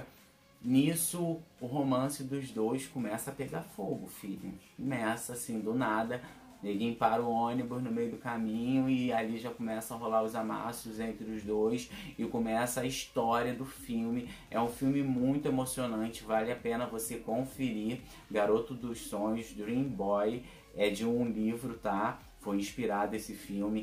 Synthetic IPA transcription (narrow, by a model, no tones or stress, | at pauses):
nisʊːɦomɐ̃sɪd̪ʊzd̪ojskomɛsɐpeɡafoɡʊfilḭ̃komɛsɐsĩd̪ʊnad̪ɐ | elĩpaɾʊõnibʊznʊmejʊd̪ʊkamĩɲʊɪaliʒakomɛsɐ̃ɐɦolaɾʊzama̰sʊzẽnt̪ɾɪʊzd̪ojsɪkomɛsɐaiʃt̪ɔɾiɐd̪ʊfiwmɪ | ɛ̰ũfiwmɪmũj̃t̪ʊemosionɐ̃nt͡ʃɪvalɪapẽnɐvosekõfeɾi | ɡaɾot̪ʊd̪ʊʃsõɲʊzd̪ɾĩbɔj | ɛd͡ʒɪũlivɾʊt̪a | fojĩʃpiɾad̪ʊesɪfiwmɪ